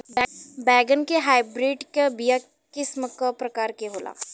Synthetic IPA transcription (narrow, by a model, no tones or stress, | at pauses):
bɛːɡənkeɦaːɪbɾeːɖkebija | kɪsməkapɾɐkaːɾkeɦoːla̰ː